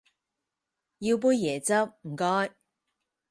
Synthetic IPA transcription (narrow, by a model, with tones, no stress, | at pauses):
ji˧wp̬uː˧jːɛː˨˩t͡sɐ˥p̚m̩˨˩kɔː˥j